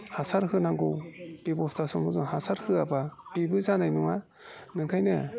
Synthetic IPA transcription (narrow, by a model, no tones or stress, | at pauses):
hasʰaɾɦɯnaŋɡowpebɔstʰasɔmɔzɔŋhasʰaɾhɯabapibɯzanajnuŋa | nɯŋkʰajnɯ